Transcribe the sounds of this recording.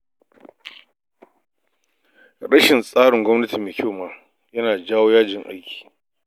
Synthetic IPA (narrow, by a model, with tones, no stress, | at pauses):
ɽɐ˦ʃɪ˨nsʼaː˦ɽɪ˨ŋɡʷɔ˦mnɐ˦ti˨meː˨kʲoː˦˨maː˦ | jɐ˦naː˨d͡ʒaː˦woː˦jaː˦d͡ʒɪ˨ŋʔa̰˦jkʲi̥ː˨